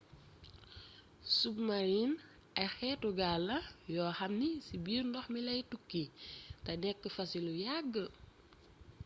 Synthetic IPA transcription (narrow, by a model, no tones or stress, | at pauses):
sub̚maɾin | ɐjxɛːtuɡalːɐjɔːxɐmnisibiːɾndɔxmilɐjtukːitɐnɛkːəfɐsilujaɡːə